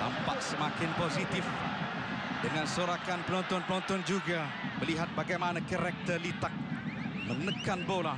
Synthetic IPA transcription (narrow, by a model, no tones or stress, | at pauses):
a̰mpaʔsəmakɪnposit̪ɪf | dəŋansoɾakanpənɔnt̪ɔnpənɔnt̪ɔnd͡ʒuɡa | məliɦat̪̚baɡajmanakəɾɛk̚t̪əlit̪ak̚mənəkanbola